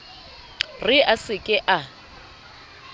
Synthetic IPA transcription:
rɪʔasɪkʼɪʔa

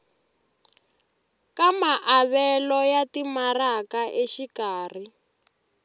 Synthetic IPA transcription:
kamaʔaβɛlɔjatimarakaʔeʃikaːri

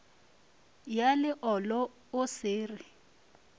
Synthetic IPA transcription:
jalɪʔɔlɔ | ʊsɪːrɪ

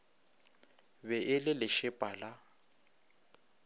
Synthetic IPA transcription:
bɛʔɪlɪlɪʃɪpʼala

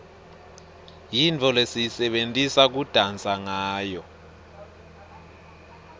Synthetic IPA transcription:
jint͡fʰʼɔlesisɛɓentʼisak̬ud̥ʱant͡sʼaŋaːjɔ

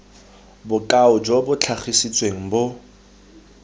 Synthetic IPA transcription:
bʊkʼaʊd͡ʒobʊt͡ɬʰaχisit͡sʼweŋ̩bʊ

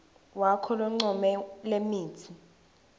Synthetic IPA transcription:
wakʰɔlɔŋ͡ǀɔmɛlemiːtʰi

